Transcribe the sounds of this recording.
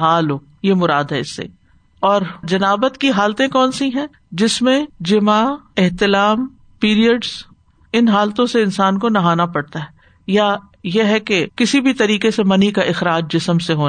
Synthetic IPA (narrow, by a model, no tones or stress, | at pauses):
ɦaːloː | jemʊɾaːd̪ɦɛɪsːḛ | ɔːɾd͡ʒɐnaːbət̪kiɦaːlt̪ẽkɔːnsĩɦɛ̃ | d͡ʒɪsmẽd͡ʒɪmaɪɦt̪ɪlaːm | piːɾijəɖz̥ | ɪnɦaːlt̪õseɪnsaːnkonɐɦaːnapɐɽt̪aɦɛ | ja | jeɦɛkekɪsibʱit̪ɐɾiːkesemɐnikaʔɪxɾaːd͡ʒd͡ʒɪsəmseɦoːna